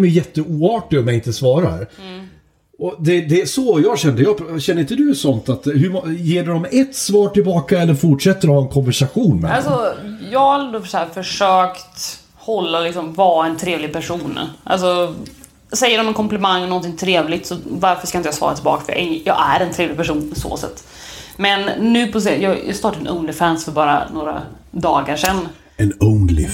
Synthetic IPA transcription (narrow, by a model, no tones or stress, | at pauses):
mɛjjɛt̪ːəuːɑːʈɪɔmjaɡɪnt̪əsvɑːɾahæ̰ɾ | ɔd̪ɛd̪ɛæsɔjɑːɕɛnd̪əjɑːɕɛnːɾɪnt̪əd̪ɵsɔnt̪at̪hɵmjeːɖɔmɛt̪svɑːʈɪlbɑːkaɛlːəɾfʊʈʂɛt̪ːəɾɔhɑːɛnkʰɔnvæʂaɧuːnmɛ̰alsɔjɑːɡhaɛnd̪osæːfœʂøːkt̪ | hɔlːaɔlɪksɔmvɑːɛnt̪ʰɾeːvlɪɡ̚pʰæʂuːnʔa̰ls̬ɔ | sɛjːəɾɔmɛnkʰɔmplɛmaŋːɔnɔnt̪ʰɪŋt̪ʰɾeːvlɪt̪sɔvaɾfœʂkaɪnt̪əjɑːsvɑ̰ːɾa̰t̪ɪlbɑ̰ːkfœɾj̰ʔjɑ̰ːæ̰ɾɛnt̪ʰɾeːvlɪɡpʰæʂuːnpɔso̰ːsɛ̰t̪ː | mɛnːʉ̟ːpʰɔs̬ɪjɑːjɑ̰st̪ɑːʈad̪ɛnʔɵ̰ŋlɪfænsfœɾbɑːɾa̰noːɾa̰d̪ɑːɡaʂɛn | ɛnɵŋlɪ̰